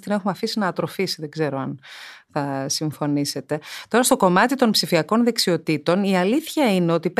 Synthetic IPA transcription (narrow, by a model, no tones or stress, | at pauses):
t̪ine̞xumeɐfisinɐːt̪ɾo̞fisiðe̞ɡze̞ɾo̞ɐnθɐsiɱfo̞nise̞t̪e̞t̪o̞ɾɐst̪o̞ko̞mɐt̪it̪o̞npsifiɐko̞nðe̞ksio̞t̪it̪o̞niɐliθçɐine̞o̞t̪ip